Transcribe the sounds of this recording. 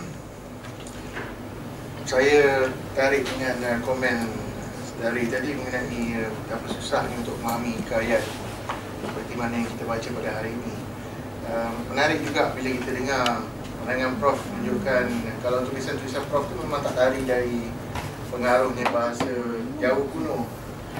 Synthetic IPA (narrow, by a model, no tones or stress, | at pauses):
sajət̪aɾɪʔiŋanəkomɛ̃n | səndaɾit̪adiməŋənaʔiəmdapat̪susahniunt̪ʊʔ̚mamikəajat̪̚ | səpərt̪imanajaŋkit̪əbat͡ʃəpadaɦaɾiːnĩ | əmːənaɾɪʔ̚d͡ʒuɡaʔbiləkit̪ədəŋar | manaŋanpɾɔfuɲd͡ʒuʔkankalawnt̪uʔlisant̪ulisanpɾɔft̪umemãt̪aʔt̪aɾihdaɾi | pəŋaɾʊhɲabaɦasəd͡ʒaʊhbuno